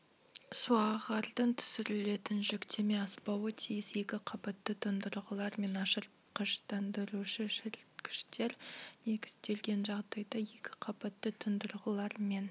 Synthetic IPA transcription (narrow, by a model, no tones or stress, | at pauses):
suɑʁɑɾd̪əɴt̪ʰʏ̥sɪɾɪle̞t̪ɪnʒʏkt̪ʰe̞me̞ɑspɑwət̪ʰijɪse̞kʲɪqʰɑpɑt̪ːət̪ʰʊnd̪əɾʁəlˠɑɾme̞nɑʃəɾ | qʰəʃt̪ʰɑnd̪əɾuʃɪʒɪɾt̪kʲʰɪ̥ʃt̪e̞ɾne̞ɡʲɪ̥st̪e̞lɡʲe̞nʒɑʁd̪ɑjd̪ɑje̞kʲɪ̥qʰɑpɑt̪ːɪt̪ʰʊnd̪əɾʁəlˠɑɾme̞n